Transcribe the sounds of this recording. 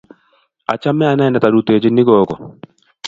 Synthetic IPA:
a̰˨t͡ʃa˦mɛ˦a˨nɛ˦˨nɛ˨ta˨ɾu˨t̪e˨t͡ʃe˦nɪ˦ɡɔ˦kɔ˨

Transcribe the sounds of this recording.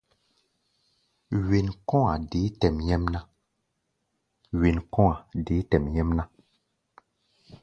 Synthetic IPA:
we˨nkɔ̃˦a˨de˨˦tɛ˨mjɛ˦mnã˦ | ɥe˨nkɔ̃˦a˨de˨˦tɛ˨mjɛ˦mnã˦

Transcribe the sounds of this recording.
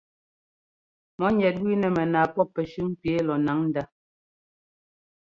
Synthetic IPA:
mɔ˨˦ɲɛ˨t̚wi˦nɛ˨mɛ˨naː˨pɔ˦pːɛ˨ʃʉ˦ŋ˦pje˨˦lɔ˨na˨˦ŋn̩˦da˦

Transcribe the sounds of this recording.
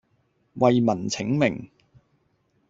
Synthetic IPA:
wɐ˨˧jmɐ˨˩nt͡sʰɪ˨˥ŋmɪ˨˩ŋ

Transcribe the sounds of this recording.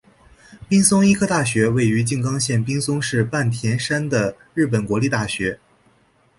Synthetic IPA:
pi˥ŋsʊ˥ŋi˥kʰɤ˥˧t̪a˥˩ɕɥɛ˧˥we˥˩ɪy˧˥t͡ɕi˥˩ŋkɑ˥ŋɕjɛ˥˩npi˥ŋsʊ˥ŋʂɻ̩˥˧pa˥˩nt̪ʰjɛ˧˥nʂa˥nd̪ə˨ɻɻ̩˥˩p̬ə˨˩nkwɔ˧˥li˥˧t̪a˥˩ɕɥɛ˧˥

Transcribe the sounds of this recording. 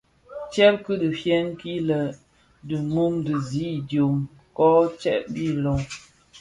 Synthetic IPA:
t͡ʃɛ˦p̚kɨ˦də˨fjɛ˦ŋ˦ki˦lə˨ | dɨ˨mu˦mdə˨zi˨˦˨djo˨m | kɔ˦t͡ʃɛ̰˦ʔbi˦˨lo˨ŋ

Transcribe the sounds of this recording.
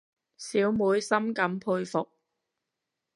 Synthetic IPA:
siː˨˥wmuː˨˥jsɐ˥mkɐ˨˥mpʰuː˧jfʊ˨k̚

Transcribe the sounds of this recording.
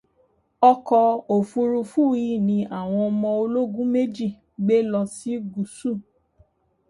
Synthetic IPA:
ɔ˧kɔ˧o˨fu˧ɾu˧fu˦˨i˦˨nĩ˧ʔa˦˨w̃ɔ̃˧ɔ˧mɔ̃˧o˧lo˦ɡũ˦me˦d͡ʒi˦˨ | ɡ͡be˦lɔ˧si˦ɡu˨su˦˨

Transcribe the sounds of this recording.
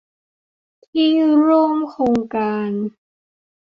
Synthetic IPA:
t̪ʰiː˥˩ɾu˥˩əmkʰoː˧ŋkaː˧n

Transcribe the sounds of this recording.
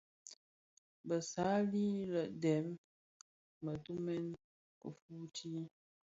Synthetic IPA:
bə˨sa˨˦li˦lə˨ʔdɛ˨˦m | mə˨tu˦mɛ˦n | kə̰˨fu˦ti˦

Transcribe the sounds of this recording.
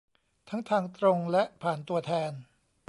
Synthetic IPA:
t̪ʰa˦˥ŋt̪ʰaː˧ŋt̪ɾo˧ŋlɛ˦˥ʔpʰaː˨˩nt̪u˧ɐt̪ʰɛː˧n

